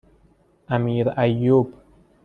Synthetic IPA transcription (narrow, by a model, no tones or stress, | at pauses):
ʔæmiːɾæjːob